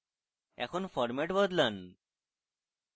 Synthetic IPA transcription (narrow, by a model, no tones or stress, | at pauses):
ɛ̰kʰonfɔɾmeʈbɔd̪lan